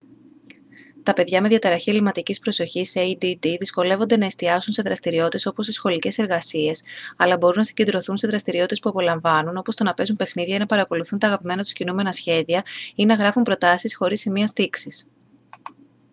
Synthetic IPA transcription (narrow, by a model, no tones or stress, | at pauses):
t̪ɐpe̞ðʝɐme̞ðʝjɐt̪eɾɐçielimɐt̪icispɾo̞so̞çiseid̪id̪iðisko̞le̞vo̞nd̪e̞nɐest̪iɐsunse̞ðɾɐst̪iɾio̞t̪e̞so̞po̞st̪isxo̞lice̞se̞ɾɣɐsie̞sɐlɐbo̞ɾunɐsiɲɟe̞nd̪ɾo̞θunse̞ðɾɐst̪iɾio̞t̪t̪e̞spuɐpo̞lɐɱvɐnunopo̞st̪o̞nɐpe̞zumpe̞xniðʝɐinɐpɐɾɐko̞luθunt̪ɐːɣɐpime̞nɐt̪u̥scinume̞nɐsçe̞ðiɐinɐɣɾɐfumpɾo̞t̪ɐsisxo̞ɾisimiɐst̪iksis